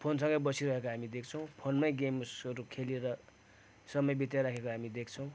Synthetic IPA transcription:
pʰonsʌ̃ŋɡʌjbʌsiɾʌɦekoɦamid̪ek̚ʰt͡sʰʌw̃pʰonmʌjɡemsʌɾukʰelieɾʌ | sʌmʌjbit̪jaɾakʰekoɦamid̪ekʰt͡sʰʌw̃

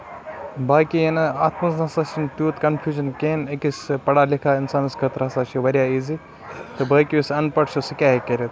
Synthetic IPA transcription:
baːkiɐnɐaːt̪ʰmɐznɐsaːʃint̪juːt̪kɐnfʰjuːʒɐnkeːnɐkispɐɽaːlikʰaːɪnsaːnɨsɡɐt̪ɾɐsaːʃiʋɐɾʲjaːizi | t̪ɨbaːkiisɐnpɐʈʃusikʲaːɦikɐɾet̪

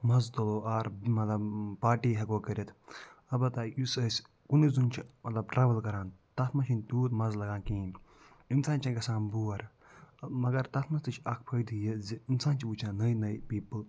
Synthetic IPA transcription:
mɐzt̪ɐloːʔaːɾmɐt̪lɐbpaːʈiːɦɐkoːkɐɾʲɐt̪ʰɐbɐt̪ɐjusɐsʲ | kunizunt͡ʃʰimɐt̪lɐb̚ʈɾaːʋɐlkɐɾaːnt̪ɐt̪ʰmɐʃʰint̪uːt̪mɐzlɐɡãːnkĩːn | insaːnt͡ʃʰɐ̃kɐsãːnbuːɐɾ | mɐɡɐɾt̪ɐt̪ʰmɐnst̪ɨt͡ʃʰɐkʰpʰɐjd̪ijiziinsaːnt͡ʃʰiut͡ʃʰãːnɐjnɐjpiːpɨl

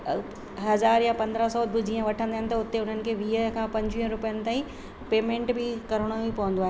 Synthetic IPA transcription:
ɦɐzaːɾjapɐ̃nd̪ɾəsɔbɪd͡ʑiːə̃ʋɐʈʰə̃nd̪aːɦɪnɪ̆t̪ɐʊt̪eʊn̤ənɪ̆kʰeːʋiːɦəɦkʰãːpɐ̃ɲd͡ʑʋiɦə̃ɾʊpijənɪ̆t̪aːĩ | peːmẽːɳʈbɪkɐɾəɽ̃obipɐʋə̃nd̪oaːɦeː

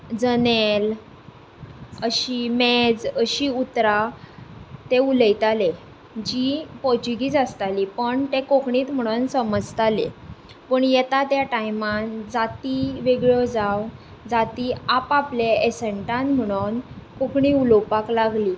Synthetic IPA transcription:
d͡zənel | əɕiːmed͡zəɕiːut̪ɾa | t̪euləjt̪ale | d͡ʑipɔt͡ɕuɡiːd͡zast̪aliːpəɳt̪ekokɳiːt̪m̤əɽ̃unsəməd͡zt̪alḛ | pəɳjet̪at̪jaʈajmand͡zat̪iʋeɡɭɔd͡zaw | d͡zat̪iːapapleesəɳʈãnm̤əɽ̃unkokɳiulopaklaɡliː

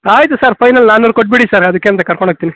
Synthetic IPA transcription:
aːjt̪ɯsaːɾfɐɪnɐlnaːnoɾkɔʈ̚biɽisaːɾɐðɯkːeːmt̪ɐkɐɾkɔɳɐk̚t̪ini

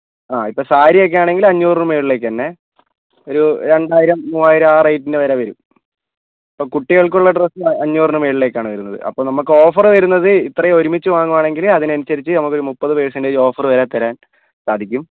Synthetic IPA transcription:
aːipːo̞ːsaːɾijok̬ːejaːɳe̞ŋɡilɐɲːuːrɳume̞ːɭile̞ːkːɨt̪ɐnːe̞ | o̞ɾuɾe̞ɳɖaːjiɾɐmːuːaːjiɾɐmaːrɐjtːindeʋɐɾaʋɐɾṵm | ɐpːoːkuʈːiɣɐɭkuɭːɐɖrɐsɨɐɲːuːrɳɨmeːɭile̞ːkʲːaːɳɨʋɐɾunːɐðɨ̰ʔɐ̰pːoːnɐmːukːɨo̞ːfɐrʋɐɾunːɐðɨit̪ːrɐjo̞ɾumit͡ɕːɨʋaːŋːumaːɳe̞ŋɡilɐðinɐnut͡ɕːɐɾit͡ɕːɨnɐmukːo̞ɾumupːɐðɨpeːɻsɐndeo̞ːfɐrʋɐɾaːt̪ːɐɾaːn | saːd̪ʱikʲːum

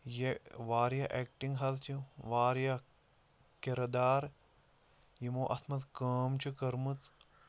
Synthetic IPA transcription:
jeʋaːɾjɐʔeːkʈiŋɡɦɐzt͡ʃʰuʋaːɾja | keɾɐd̪aːɾ | jimoːʔɐsmɐt͡skəːmt͡ʃʰukɐɾmɨt͡s

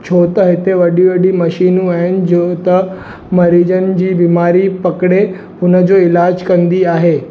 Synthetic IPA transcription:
t͡ɕʰot̪əɦet̪eʋəɖiʋeɽiːməɕiːnũɛnd͡ʑot̪ə | məɾid͡ʑənd͡ʑiːbimaɾiːpəkɽe | unəd͡zoilad͡ʑkənd̪iːaɦe

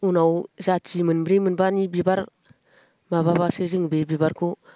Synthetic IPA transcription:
unawzat͡ʃimɯnbɾimɯnbanibibaɾ | maβaβasɯzɯŋbebiβaɾkʰu

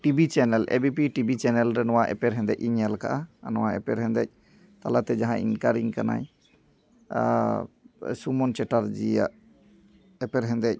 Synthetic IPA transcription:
ʈibit͡ʃɛnɛlʔḛbipiʈibit͡ʃɛnɛlɾɛnɔwaʔɛ̰pɛɾɦɛ̃nd̪ɛc̚iɲɛlka̰ʔanɔwaɛ̰pɛɾɦɛ̃nd̪ɛ̰c̚ˀ | t̪alat̪ɛd͡ʒaɦãʔḭnkaɾiŋkana̰j | sumɔnt͡ʃɛʈaɾd͡ʒija̰ʔ | ɛpɛɾɦɛ̃nd̪ɛc̚

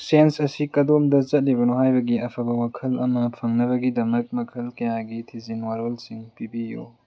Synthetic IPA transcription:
sensɐsikɐdomdɐt͡ʃɐt̚libɐnoɦajbɐɡiɐpʰɐbɐwakʰɐlɐmɐpʰɐŋnɐβɐɡidɐmɐk̚mɐkʰɐlkɐjaɡitʰizinwaɾolsiŋpibijo̰

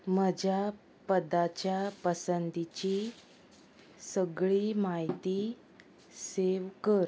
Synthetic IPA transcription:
məd͡ʑʱja | pəd̪at͡ɕjapəsənd̪it͡ɕi | səɡɭiːmaɦit̪i | seʋkəɾ

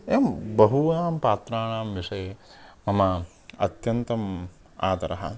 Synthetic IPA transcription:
eːmbɐɦunaːmpaːt̪ɾaːɳaːmʋiʂɐje | mɐmɐ | ɐ̰t̪jɐnt̪ɐm | a̰ːt̪ɐɾɐɦɐ̰

